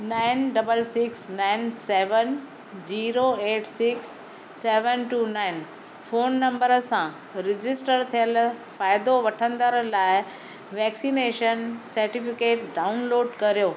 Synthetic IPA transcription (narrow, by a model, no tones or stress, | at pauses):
naːɪnɖɐbəlsɪksnaːɪnseːʋən | zd͡ʑiːɾoeːʈsɪksː | eːʋənʈuːnaːɪn | foːnːɐ̃mbəɾəsã | ɾɪd͡ʑɪsʈəɾt̪ʰijəlfaːɪd̪oʋɐʈʰə̃nd̪əɾlaːɪ | ʋɛːksineːʃənsɐɾʈifɪkeːʈɖaːʊnloːɖkɐɾijoː